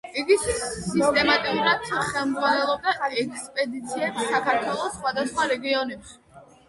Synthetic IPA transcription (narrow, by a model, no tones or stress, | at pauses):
ɛɡisʰisːist̪ʼɛmat̪ʼiuɾad̪χɛlmd̪zʁvwanɛlˠɔb̚d̪aɛkʰspʼɛd̪it̪sʰiɛpsːakʰaɾt̪ʰwɛlˠɔsːχwad̪asχwaɾɛɡiɔnɛpʃi̥